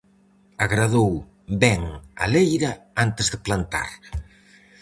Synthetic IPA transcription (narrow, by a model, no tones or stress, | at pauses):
aɣɾaðow | bɛŋa̰lejɾɐant̪ezðeplant̪a̰ɾ